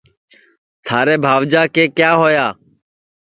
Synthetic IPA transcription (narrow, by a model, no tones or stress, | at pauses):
t̪ʰaːɾeːbʱaːʋd͡ʒaːkeːkjaːɦoːjaː